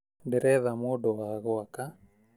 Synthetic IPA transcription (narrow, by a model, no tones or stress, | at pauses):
ndeɾɛðamodɔwaɣɔaka